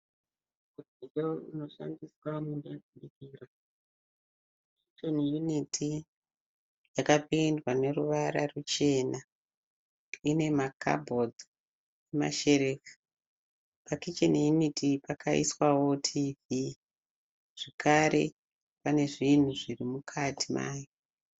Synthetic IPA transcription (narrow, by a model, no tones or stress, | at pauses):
udid͡ʒouno̞ʃa̰ndiswamundaɗikiːra | kit͡ʃenjunitʰi | jakapindwane̞ruʋaɾa̰rut͡ʃe̞na | ine̞makʰa̰bʱo̞d͡z | ema̰ʃe̞ɾekḁ | pakit͡ʃenjunitʰipakʰaḭswawo̞tʰivi | ʐ̥ekʰaɾe̞̰ | pane̞ʐin̤uʐirimukʰatʰima̰ːjo